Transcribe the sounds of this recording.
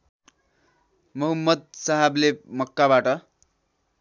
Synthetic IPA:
mʌɦʌmːʌd̪̚saɦablemʌkːabaʈʌ

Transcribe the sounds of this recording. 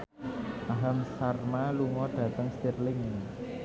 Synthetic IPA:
ʔaɦamsarmaluŋɔɖ̥ä̤t̪əŋst̪irlɪŋ

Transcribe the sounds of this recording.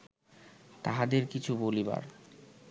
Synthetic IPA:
t̪aɦad̪eɾkit͡ɕʰuboliba̰ɾ

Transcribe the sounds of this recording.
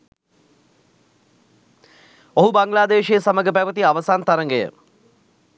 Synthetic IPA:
oɦubaŋɡlaːd̪eːʃejəsaməɡəp̬æʋət̪iaʋəsaːnt̪ɐɾəŋɡəjə̰

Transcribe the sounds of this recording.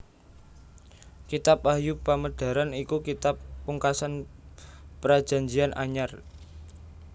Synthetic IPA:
kit̪apahjupaməd̥a̤ɾanikukit̪apːuŋkasan | pəɾḁʒ̥a̤ɲd͡ʒianʔa̰ɲar

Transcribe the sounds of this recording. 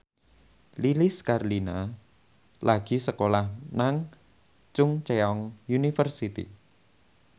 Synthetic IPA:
lilɪskarlina | lʔaɡ̥i̤səkolahnaŋ | t͡ʃʊŋt͡ʃeɔŋjunifərsit̪ḭ

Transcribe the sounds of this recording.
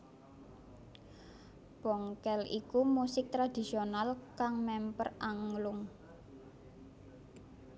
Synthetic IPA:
b̥ɔŋkɛlḭkumusɪk̚t̪ɾad̪̥i̤sionalkaŋmɛmpərʔaŋlʊŋ

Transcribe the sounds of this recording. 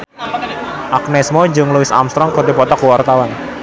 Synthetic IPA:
ʔaknɛsmod͡ʒʊŋluɪsa̰mst̪ɾɔŋkɔdepɔt̪ɔkuwart̪awan

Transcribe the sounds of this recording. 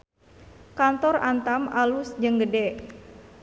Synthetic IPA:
kant̪ɔrant̪amalusd͡ʒəŋɡədɛʔ

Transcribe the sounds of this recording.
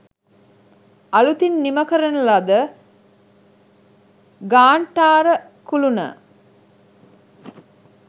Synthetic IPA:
ɐlut̪inːiməkəɾənəlad̪ə | ɡaːɳʈaːɾə | kulunə̰

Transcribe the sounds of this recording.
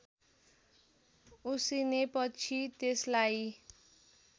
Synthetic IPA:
usinepʌt͡sʰit̪eslaj

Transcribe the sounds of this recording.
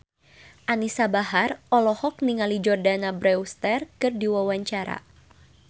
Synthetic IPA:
ʔanisabaɦarʔɔlɔhɔk̚niŋalid͡ʒɔrdanabɾɛust̪ɛrkɨrdiwawaɲt͡ʃaɾa̰

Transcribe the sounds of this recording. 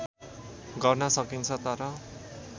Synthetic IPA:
ɡʌrnʌsʌkint͡sʰʌt̪ʌɾʌ

